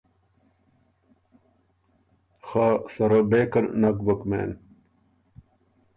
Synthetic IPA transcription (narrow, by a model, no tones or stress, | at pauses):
xaːsɐɾɐbeːkɐnnaːkbɐkmḛːn